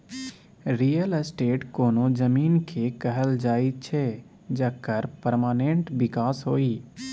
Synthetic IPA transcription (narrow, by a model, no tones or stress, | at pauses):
ɾiːjəlsʈeːʈkoːnod͡ʒəmiːnkʰekəɦəld͡ʒaːit͡ʃʰɛ | d͡ʒəkəɾpəɾmaːnẽɳʈbɪkaːsɦoːiː